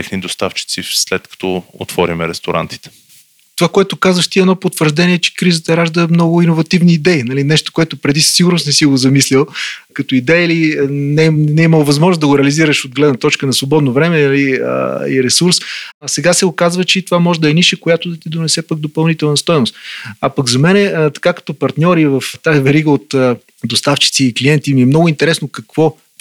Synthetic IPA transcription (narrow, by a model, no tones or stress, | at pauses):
t̪ɛxnid̪ost̪aft͡ʃi̥t̪sislɛt̪̚kɐ̥t̪ɔo̰t̪vɔɾimɛɾɛst̪oɾʔa̰nt̪i̥t̪ɛ̥ | t̪ovakoɛt̪ʊkazvəʃt̪iɛd̪nɔpot̪vəɾʒd̪ɛniɛt͡ʃɛ̥kɾizət̪əɾaʒd̪əmnɔɡʊinovɐt̪ivniːd̪ɛinɐlinɛʃt̪o̥koɛt̪ʊpɾɛd̪issiɡʊɾnʊsnɛsiɡozɐmislʲilˠkɐt̪oid̪ɛjəilinɛnɛiməlˠvɐzmɔʒnosd̪ɐɡʊɾɛɐliziɾəʃod̪̚ɡlɛd̪nət̪ɔt͡ʃkənɐsvobɔd̪novɾɛmɛnɐliə̰ḭɾɛsuɾssɛɡasɛokazvət͡ʃɛit̪ovamɔʒɛd̪ɐɛniʃɛkojat̪ʊd̪ɐt̪id̪onɛsɛpəɡ̚d̪opɐlˠnit̪ɛlˠnɐst̪ɔjnost̪apɐɡzɐmɛnɛt̪ɐ̥kakɐ̥t̪ɔpɐɾt̪nʲɔɾivɐft̪aivɛɾiɡəot̪ː | d̪ost̪aft͡ʃi̥t̪siːklijɛnt̪imiɛmnɔɡʊint̪ɛɾɛsnokɐkv̥ɔ